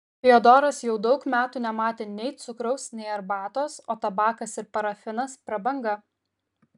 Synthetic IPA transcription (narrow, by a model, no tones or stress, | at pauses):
pʲɪoːd̪oːɾɐsjɛʊd̪ɒʊkmʲæːt̪uːnʲɛmɑːt̪ʲeːnʲɛɪt̪sʊkɾɐʊsnʲɛɪɐɾbɑːt̪oːsoːt̪ɐbɑːkɐsɪɾpɐɾɐfʲɪnɐspɾɐbɐŋɡɐ